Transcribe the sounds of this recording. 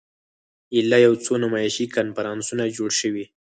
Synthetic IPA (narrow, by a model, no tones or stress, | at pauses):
ɪlɑjawt͡sonamɑjɪʃikanfaɾɑnsunad͡ʒoɽʃəwi